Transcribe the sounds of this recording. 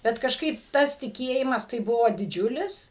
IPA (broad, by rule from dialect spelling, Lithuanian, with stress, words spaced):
ˈbʲɛt kɐʃˈkɐɪp ˈtɐs tʲɪˈkʲeːjɪmɐs tɐɪ ˈbʊʋoː dʲɪˈd͡ʒʲʊlʲɪs